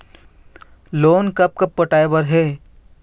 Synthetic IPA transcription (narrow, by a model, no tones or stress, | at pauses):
loːnkɐp̚kɐpːəʈaːebəɾɦeː